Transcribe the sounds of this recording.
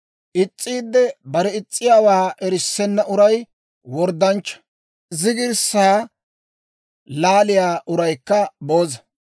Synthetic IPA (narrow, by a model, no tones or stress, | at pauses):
ʔɪt͡sʼːiːd̪ːɛbɐɾɛɪt͡sʼːɪjaːwaːʔɛɾɪsːɛnːɐʔʊɾɐj | wɔɾd̪ːɐnt͡ʃːɐ̥ | zɪɡɪɾsaː | laːlɪjaːʔʊɾɐjkːɐbo̞ːzɐ̥